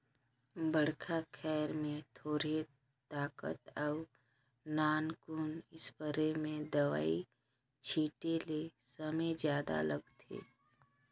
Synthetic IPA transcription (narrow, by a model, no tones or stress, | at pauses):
bəɽ̤kʰakʰɛːɾmẽt̪ʰoːɾe | t̪aːkə̰t̪ɔʊ | naːnkʊnɪspəɾemẽd̪əʋa̰ːi | t͡ʃʰiːʈelesəmə̃jd͡ʒjaːd̪a̰ləɡt̪ʰḛː